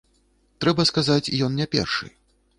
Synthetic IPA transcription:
t̪ɾɛbɐskazat͡sʲijɔnnʲɛpʲɛ̰rʂɨ̰

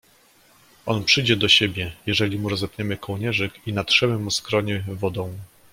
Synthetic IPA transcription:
ʔɔnpʂɘjd͡ʑɛd̪ɔɕebʲjɛjɛʐɛlʲimuɾɔzɛpɲɛmɘkɔwɲɛʐɘkinat̪ʂɛmɘmuskɾɔɲɛvɔd̪ɔ̃w̃

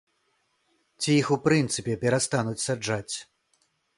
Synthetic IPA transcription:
t͡sʲijixupɾɨnt̪sɨpʲɛpʲɛɾast̪anut͡sʲsad͡ʐat͡sʲ

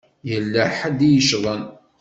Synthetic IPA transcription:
jəlːæħad̪ijəʃðˤən

